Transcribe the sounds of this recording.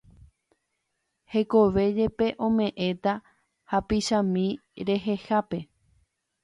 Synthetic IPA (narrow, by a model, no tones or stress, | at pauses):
he̞ko̞ʋe̞d͡ʒe̞pe̞ʔõ̞mẽ̞ʔẽ̞t̪a | hapiʃãmĩɾe̞ɦe̞hape̞